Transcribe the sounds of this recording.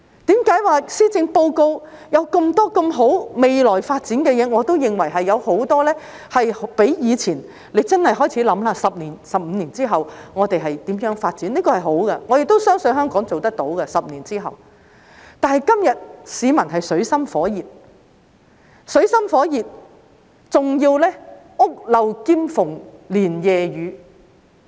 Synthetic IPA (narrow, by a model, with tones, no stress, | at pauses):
t̪iː˨˥mkaː˨˥jwaː˨siː˥t͡sɪ˧ŋpo˧wko˧wjɐ˨˧wkɐ˧mt̪ɔː˥kɐ˧mɦo˨˥wme˨jlɔː˨˩jfaː˧t̚t͡siː˨˥nkɛː˧jɛː˨˧ŋɔː˨˧t̪o˥wjɪ˨ŋwɐ˨˩jɦɐ˨jːɐ˨˧who˨˥wt̪ɔː˥lɛː˥ | hɐ˨jhpe˨˥jjiː˨˧t͡sʰiː˨˩n | le˨˧jt͡sɐ˥nhɐ˨jɦɔː˥˩jt͡sʰiː˨˥lɐ˨˧˥mlaː˧sɐ˨p̚niː˨˩nsɐ˨p̚m̩˨˧niː˨˩nt͡siː˥ɦɐ˨wŋɔː˨˧t̪e˨jɦɐ˨jt̪iː˨˥mjœː˨˥ŋfaː˧t̚t͡siː˨˥nliː˥kɔː˧hɐ˨jɦo˨˥wɡɐ˧ŋɔː˨˧jɪ˨k̚t̪o˥wsœː˥ŋsɵ˨˧nɦœː˥ŋkɔː˨˥ŋt͡so˨wt̪ɐ˥k̚t̪o˨˥wɡɐ˧sɐ˨p̚niː˨˩nt͡siː˥ɦɐ̰˨w | t̪aː˨˧nhɐ˨jkɐ˥mjɐ˨t̚siː˨˧mɐ˨˩nɦɐ˨jsɵ˨˥ɥsɐ˥mfɔː˨˥jiː˨t̚ | sɵ˨˧˥ɥsɐ˥mfɔː˨˥jiː˨t̚ | t͡sʊ˨ŋjiː˧wlɛː˥ | ʊ˥k̚lɐ˨wkiː˥mfʊ˨˩ŋliː˨˩njɛː˨jyː˨˧